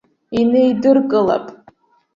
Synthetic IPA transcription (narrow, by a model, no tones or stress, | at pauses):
inejdɨrkʼɨla̰pʼ